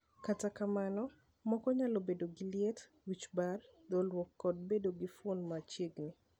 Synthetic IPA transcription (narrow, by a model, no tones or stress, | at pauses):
katakamanɔ | mɔkɔɲalobedoɡɪljet | wit͡ʃbardɔlwɔkːɔd̚bedoɡifonmat͡ʃjeɡni